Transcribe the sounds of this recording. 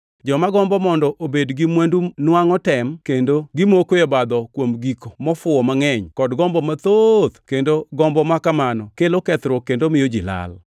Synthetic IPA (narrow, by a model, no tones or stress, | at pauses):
d͡ʒɔmaɡɔmbɔmɔndɔʔobedɡɪmwandunwaŋɔtɛmkendoɡɪmokojɔbad̪ɔkwomɡikomɔfʊɔmaŋɛɲkɔdɡɔmbɔmat̪od̪kendoɡɔmbɔmakamanɔkelokɛt̪ɾokendomɪjod͡ʒila̰l